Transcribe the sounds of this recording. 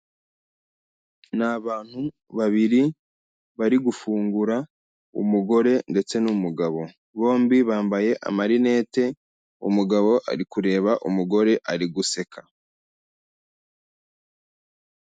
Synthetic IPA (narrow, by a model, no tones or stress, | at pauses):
naβaːn̥hu | βaβiɾi | βaɾiɡufuːŋɡuɾa | ṵmuɡo̞ɾe̞nde̞t͡se̞numuɡaβo̞ | βo̞ːmbiβaːmbaje̞ʔa̰maɾine̞ːte̞ | ṵmuɡaβo̞ʔa̰ɾikuɾe̞ːβaʔumuɡo̞ɾe̞ʔaɾiɡuse̞kʰa